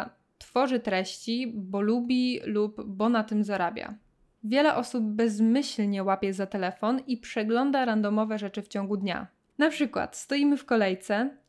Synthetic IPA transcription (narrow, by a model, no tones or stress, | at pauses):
t̪fɔʐɘt̪ɾɛɕt͡ɕibɔlubʲilubːɔnat̪ɘmzaɾabʲja̰ | vʲjɛlɛʔɔsub̚ːɛzmɘɕlɲɛwapʲjɛzat̪ɛlɛfɔnipʂɛɡlɔnd̪aɾand̪ɔmɔvɛʐɛt͡ʂɘft͡ɕɔŋɡud̪ɲa̰ | napʂɘkwa̰t̪st̪ɔjimɘfkɔlɛjt̪sɛ